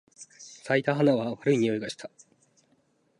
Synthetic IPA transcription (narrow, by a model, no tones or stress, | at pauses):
sait̪aɦanaβaβaɾɯ̟iɲ̟io̞iɡaɕi̥t̪ʰḁ